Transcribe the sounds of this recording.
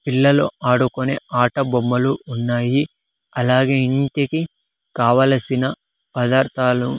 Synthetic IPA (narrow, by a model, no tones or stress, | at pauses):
pilːɐlo̰ʔaːɽukonḛːaːʈɐbomːɐluːnːaːji | ɐlaːɡe̞ːiɳʈeki | kaːʋaːlɐsinɐ | pɐd̪aːɾt̪ʰaːlu